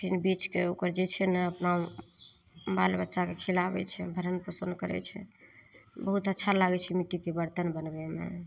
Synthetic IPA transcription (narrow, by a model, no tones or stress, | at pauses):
pʰinbit͡ʃkeokəɾd͡ʒet͡ʃʰɛnəəpnau | balbətːʃakekʰilabɛ̰t͡ʃʰɛ̰bʱəɾənpɾəsənd̪kəɾɛ̰t͡ʃʰɛ̰ | bəɦut̪ətːʃʰalaɡɛt͡ʃʰɛmit̪ːikebəɾt̪ənbənbemḛ